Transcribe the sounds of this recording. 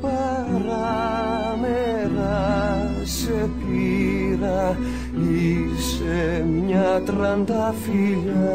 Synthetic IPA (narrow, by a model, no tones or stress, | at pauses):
pa | ɾa | me | ða | sepiɾa | i | s | emiɲat̪ɾand̪afiʎɐ